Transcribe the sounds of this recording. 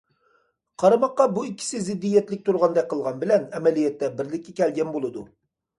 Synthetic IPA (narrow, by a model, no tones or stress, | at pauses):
qʰɑɾɨmɑqːɑbuikʲʰːi̥sɪzɪd̪ːijɛt̪lɪk̚ʲt̪ʰuɾʁɑnd̪ɛk̚ʲqʰəlˠʁɑnbɪlɛnɛmɛlijɛt̪ːɛbɪɾlɪkʲʰːɛkʲɛlɡʲɛnbolˠɨd̪u